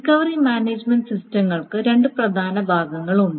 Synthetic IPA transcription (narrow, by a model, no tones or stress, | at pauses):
kɐʋɐrimaːneːd͡ʑmeɳɖsistɐmːɐɭkɨɾe̞ɳɖɨprɐd̪ʱaːnɐbʱaːɡɐŋːɐɭuɳɖɨ